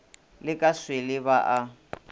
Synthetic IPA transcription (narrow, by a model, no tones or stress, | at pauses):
lɪkʼaswɪlɪβaʔa